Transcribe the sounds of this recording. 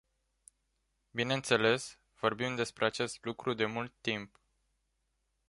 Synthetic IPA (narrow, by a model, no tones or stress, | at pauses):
bine̞nt̪se̞le̞s | v̥o̞rbimd̪e̞spɾe̞at͡ʃe̞st̪lukɾud̪e̞mult̪ːimp